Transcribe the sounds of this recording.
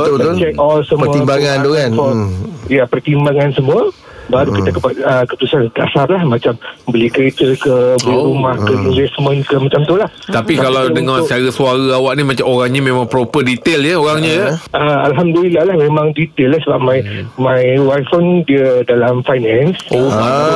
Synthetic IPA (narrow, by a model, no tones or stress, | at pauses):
ut͡ʃɛk̚ɔlsəməuimbaŋant̪ukanfɔjapərt̪imbaŋansəmũə | baɾukit̪əkəpaəkəput̪usant̪a̰sarlahmat͡ʃambəlikəɾet̪əkəbəliɾumahkəinvɛsmə̃nkəmat͡ʃamt̪ulaht̪apisakalawdəŋat͡ʃaɾəsuaɾaawaʔnimat͡ʃamoɾaŋɲamẽmãŋpɾopədit̪eljəoɾaŋɲajəəalɦamdəlilahlahmẽmãŋdit̪elːasəbap̚majmajwafɔndiədalamfajnɛnso